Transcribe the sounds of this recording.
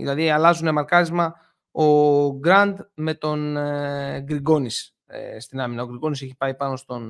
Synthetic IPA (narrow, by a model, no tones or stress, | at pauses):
ðḭlɐðiɐlɐzunemɐɾkɐɾizmɐ | o̞ɡɾɐnd̪me̞t̪o̞n | ɡɾiɡo̞nis | st̪inɐminɐoɡɾiɡo̞nis̬eçi̥pɐipɐno̞st̪o̞n